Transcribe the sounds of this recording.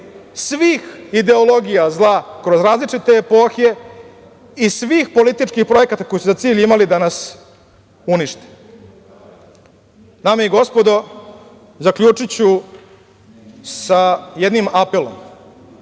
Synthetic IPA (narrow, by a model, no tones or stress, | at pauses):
sʋiːxid̪e̞olo̞ɡijazlˠakɾo̞zɾaːzlit͡ʂit̪e̞ːpo̞ːxe̞ | isʋiːxpo̞lit̪it͡ʂkixpɾo̞je̞kat̪ako̞jisuzat̪siːʎimalid̪anas | uniʃt̪e̥n | nameiɡo̞spo̞d̪o̞ | zakʎʲuːt͡ʂit͡ɕu | sajed̪nimapelo̞̰m